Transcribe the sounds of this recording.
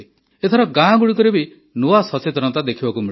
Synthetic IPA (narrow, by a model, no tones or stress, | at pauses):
et̪ʰɔɾɔɡãɡuɽik̬ɔɾebi | nuasɔt͡ʃet̪ɾɔnɔt̪ad̪ekʰibakumi